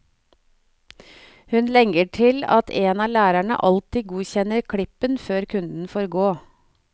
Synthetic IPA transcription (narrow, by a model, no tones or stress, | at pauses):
hʉnlɛŋəʈʰɪlɑ̰t̪ʰeːnɑːlæːɾæɳə̰ʔɑlt̪iɡuːçɛnəɾkʰɽɪpənføːɾkʰʉnd̪n̩foːɾɡoː